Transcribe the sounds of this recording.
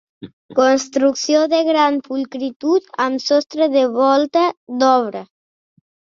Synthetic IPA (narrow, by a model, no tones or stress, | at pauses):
konst̪ɾuksijoðeɣɾanpulkɾit̪ut̪amsɔst̪ɾeðeβɔlˠt̪ad̪ɔβɾə